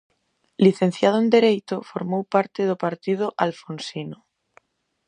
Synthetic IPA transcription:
liθẽn̟θjað̞oend̪eɾejt̪ofoɾmowpaɾt̪eð̞opaɾt̪ið̞oʔalfonsino

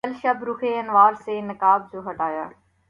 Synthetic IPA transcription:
ɐlʃɐbɾʊxʰeɐnʋaːɾseːnɪkaːb̚d͡ʑoːɦɐʈaːja̰ː

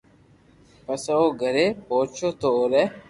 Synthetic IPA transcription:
pəsaoːɡʱəɾeːpoːt͡ʃʰoːt̪oːɾɛː

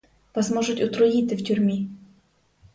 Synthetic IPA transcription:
pɐzmoʐɨt̪ʲʊt̪ɾʊit̪ɨftʲʊrʲmʲi

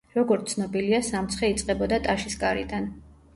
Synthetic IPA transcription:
ɾɔɡɔɾt̪sʰnɔbiliasamt̪sʰχɛit̪sʼqʼɛbɔd̪at̪ʼaʃisɡaɾḭd̪an

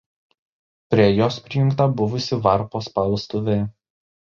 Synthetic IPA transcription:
pʲɾʲiɛjoːspʲɾʲɪjʊ̃ŋˑkt̪ɐbʊʋʊsʲɪʋɐɾpoːspɐlˠst̪oʋʲe

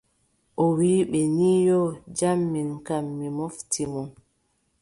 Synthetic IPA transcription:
ʔɔwiːɓɛniːjɔd͡ʒamːinkamːimɔftimɔ

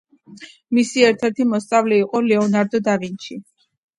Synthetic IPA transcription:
misiɛɾt̪ʰɛɾt̪ʰimɔst̪sʼavlɛiqʼɔlɛɔnaɾd̪ɔd̪avinʃi

